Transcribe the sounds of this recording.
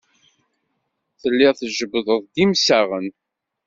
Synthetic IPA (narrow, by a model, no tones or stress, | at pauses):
θəlːɪʁθʒəbðˤəðˤd̪imsæʁən